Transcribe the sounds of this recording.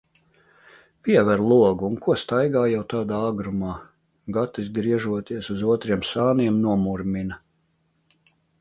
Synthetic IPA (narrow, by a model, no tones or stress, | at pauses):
pʲiɛvɛɾlˠuɔɡuunkuɔst̪ajɡaːjawt̪aːd̪aːaɡɾumaː | ɡat̪izɡɾiɛʒuɔt̪iɛsuzuɔt̪ɾiɛmsaːniɛmnuɔmuɾmʲinɐ